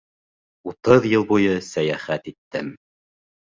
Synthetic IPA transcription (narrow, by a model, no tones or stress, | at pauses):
ut̪ɤðjɤlˠbujɤsæjæχæt̪it̪ːɘm